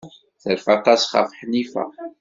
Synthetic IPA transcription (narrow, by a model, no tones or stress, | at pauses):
θəɾfat̪ɑsχɑ̰fħnifæ̰